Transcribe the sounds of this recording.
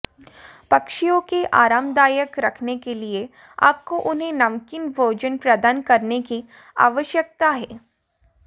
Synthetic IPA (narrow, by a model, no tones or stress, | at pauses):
pɐkʃijõkeʔaːɾaːmd̪aːjəkɾɐkʰnekelie | a̰ːp̚koʔʊnɦẽnɐmkɪnbʱoːd͡ʒənpɾɐd̪aːnkɐɾneki | a̰ːʋəʃjək̚t̪aɦɛː